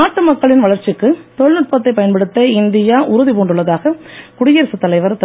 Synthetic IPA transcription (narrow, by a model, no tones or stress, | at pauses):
aːʈːɯmɐkːɐɭɪnʋɐɭɐɾt͡ʃːɪkːɯt̪ɔɭnɯʈ̚pɐt̪̬ːɐɪpːɐjɐnpɐɽɯt̪ːɐɪnd̪ɪjaːʔʊɾʊðipoːɳɖɯɭːɐðaːɣɐkʊɽɪjɐɾsɯt̪ːɐlɐɪʋɐɾt̪ɐ